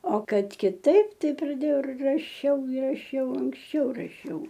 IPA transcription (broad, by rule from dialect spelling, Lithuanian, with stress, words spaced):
oː ˈkɐt kʲɪˈtɐɪp ˈtɐɪ prɐˈdʲeːjɛʊ ɪr rɐˈʃʲɛʊ ɪ rɐˈʃʲɛʊ ɐŋksʲˈt͡ʃʲɛʊ rɐˈʃʲɛʊ